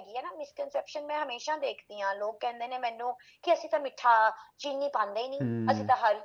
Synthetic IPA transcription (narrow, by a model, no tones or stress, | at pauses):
ɡiːɛːnaːmɪskənsɛːpʃənmɛ̃ːɦəmeːʃãːd̪eːkʰd̪iːãːloːkːɛ̃ːnd̪eːnẽːmɛ̃ːnũː | kɪəsĩːt̪ãːmɪʈʰːaːt͡ʃiːnːiːpãːnd̪eːiːnĩːəsĩːt̪ãːɦəɾ